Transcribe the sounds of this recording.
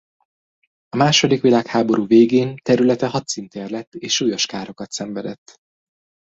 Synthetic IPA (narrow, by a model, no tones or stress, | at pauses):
ɒmaːʃo̞d̪ikʋilaːkhaːbo̞ɾuːveːɡeːnt̪ɛɾylɛt̪ɛɦɒt̪sint̪eːrlɛt̪ːeːʃuːjo̞ʃkaːɾo̞kɒt̪sɛɱvɛd̪ɛt̪ː